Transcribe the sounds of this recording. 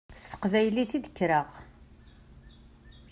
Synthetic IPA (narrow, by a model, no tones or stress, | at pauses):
st̪ə̥qvæjliθid̪əkːɾəʁ